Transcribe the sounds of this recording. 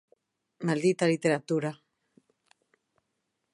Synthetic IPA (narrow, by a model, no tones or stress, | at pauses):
mald̪it̪alit̪eɾat̪uɾa